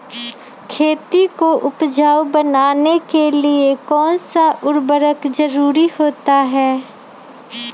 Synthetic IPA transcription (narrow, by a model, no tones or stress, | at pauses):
kʰeːt̪ikoʔʊpd͡ʒaːwbɐnaːnekeliekɔːnsaʔʊɾbəɾəkd͡ʒɐɾuːɾihoːt̪aɦɛː